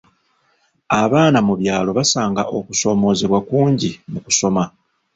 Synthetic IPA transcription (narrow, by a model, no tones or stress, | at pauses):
aβaːnamuβjaːlo̞βasaːŋɡaʔo̞ku̥so̞ːmo̞ːzeβwakuːɲɟimuku̥so̞ma